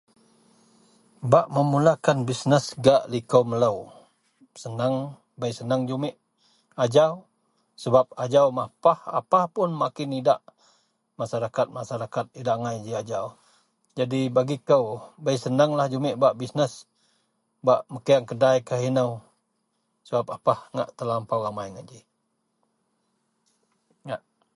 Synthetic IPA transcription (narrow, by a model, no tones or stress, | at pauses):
baʔməmulakanbisnəsɡaʔlikəwmələw | sənəŋ | bəjsənəŋd͡ʒumɪʔ | ad͡ʒaw | səbap̚ad͡ʒawmapaha̰pahpʊnmakɪnidaʔ | masaɾakat̪̚masaɾakat̪̚idaʔŋajd͡ʒiad͡ʒaw | d͡ʒadibaɡikəwbəjsənəŋlahd͡ʒumɪʔbaʔbisnəs | baʔməkəaŋkədajkaɦinəw | səbap̚apahŋa̰ʔt̪əlampawamajŋad͡ʒə | ŋaʔ